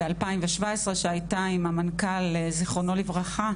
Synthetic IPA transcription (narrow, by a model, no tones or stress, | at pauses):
alpaimveʃvaesʁeʃeajtaimamankaleziχonolivʁaχa